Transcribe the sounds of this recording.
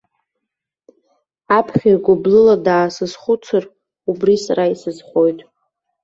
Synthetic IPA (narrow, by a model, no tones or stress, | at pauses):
apʰχʲarɡʷʊblɨladaːsɨzχʷʊt͡sʰɨr | ubrisaraisɨzχʷo̞jtʼ